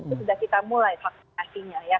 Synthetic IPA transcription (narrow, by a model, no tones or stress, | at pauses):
usudahkit̪amulajfak̚sasiɲaja